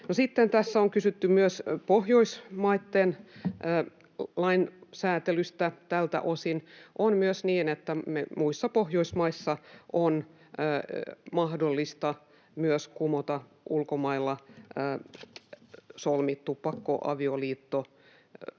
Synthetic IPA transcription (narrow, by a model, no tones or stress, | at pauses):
nosit̪ːent̪æsːæoŋkysyt̪ːymyøspohjoismɑit̪ːenː | lɑinsæːt̪elyst̪æt̪ælt̪æ̰ʔosinʔonmyøsniːnet̪ːæmemuisːɑpohjoismɑisːɑʔonː | mɑhdolːist̪ɑ | myøskumot̪ɑ | ʔulkomɑilːɑ | solmit̪ːuppɑkːo̰ʔɑ̰ʋioliːt̪ːo